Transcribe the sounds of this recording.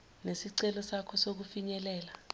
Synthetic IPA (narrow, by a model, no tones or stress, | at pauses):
nesiǀɛlɔsakʰɔsok̬ufiɲɛlɛːla